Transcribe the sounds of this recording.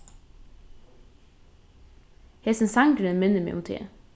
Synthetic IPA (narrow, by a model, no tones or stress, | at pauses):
heːsən̩sɑŋɡɾənmɪnəmḛːʔʊ̰mt̪ʰḛː